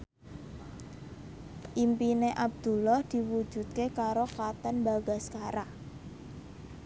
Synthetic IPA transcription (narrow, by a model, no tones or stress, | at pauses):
ʔimpineʔab̚d̪̥ṳlɔhd̪̥i̤wu̥ʒ̥ṳt̪̚kekaɾokat̪ənbaɡaskaɾa